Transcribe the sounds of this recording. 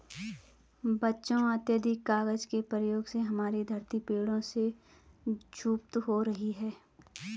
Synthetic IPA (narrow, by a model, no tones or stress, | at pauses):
bɐtːʃõət̪jəd̪ʱɪkːaːɡəd͡ʒkepɾəjoːɡseɦɐmaːɾid̪ʱɐɾt̪ipeːɽõse | d͡ʒuːp̚t̪ɦoɾɐɦiɦɛː